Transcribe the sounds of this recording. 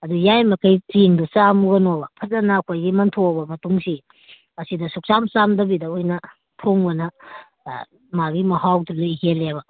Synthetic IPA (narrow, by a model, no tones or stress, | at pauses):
ɐdujajmɐkʰɐjt͡ʃiŋdusamuɡɐnobɐpʰɐzɐnɐːkʰojɡimɐntʰobɐmɐtuŋsi | ɐsidɐsuk̚samsamdɐbidɐojnɐ | tʰoŋbɐnɐ | maɡimɐhawdulɯjɦeleβɐ